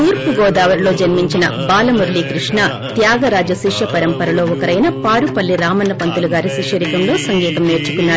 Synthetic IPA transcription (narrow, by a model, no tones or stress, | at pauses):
uːɾpuɡɔːd̪aːʋɐɾlo̞ːd͡ʒɐnmiɲt͡ʃinɐbaːlɐmuɾlikɾiʂɳɐ | t̪jaːɡɐɾaːd͡ʒɐʃiʂjɐpɐɾɐmpɐɾɐlo̞ːɔkɐɾɐjnɐpaːɾupɐlːiɾaːmɐnːɐpɐnt̪uluɡaːɾiʃikʂjɐɾikɐmlo̞ːsɐŋɡiːt̪ɐmneːɾt͡ʃu̥kunːaːɾu